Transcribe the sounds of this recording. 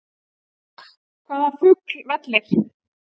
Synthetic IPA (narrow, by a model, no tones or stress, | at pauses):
kʰvaːðafʏklvɛt̪lɪɾ̥